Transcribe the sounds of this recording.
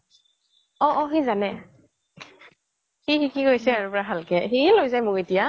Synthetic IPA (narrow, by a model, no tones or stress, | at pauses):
ɔʔɔxizanɛ | xixikiɡojsɛaɹupɔɹapʰalkɛxiɛlojzajmʊketija